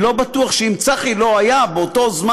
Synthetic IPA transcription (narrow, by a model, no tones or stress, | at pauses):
lo̞batuaχʃeimt͡saχilo̞ajabeoto̞zm